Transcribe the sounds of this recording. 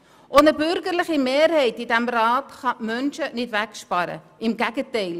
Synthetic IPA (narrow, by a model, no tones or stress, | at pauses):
ʔɔnəbʏrɡərləχimeːrɦɛjt̚didæmrɑːtχɑmœnʃənɪtvækspɑɾə̰ | imɡæɡətɛjl